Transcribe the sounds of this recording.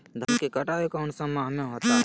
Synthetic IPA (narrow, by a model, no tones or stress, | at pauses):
d̪ʱəɾkekɐʈaːekaʊɳsə̃mːãɦɐmẽɦoːt̪aɦɛ